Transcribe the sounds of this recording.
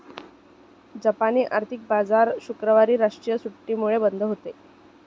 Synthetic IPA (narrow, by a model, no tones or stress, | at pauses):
d͡ʑapaniːʔaɾt̪ʰik̚bad͡zaɾɕukɾəʋaɾiːɾaʂʈɾijəsuʈːiːmuɭebənd̪ʱəɦot̪e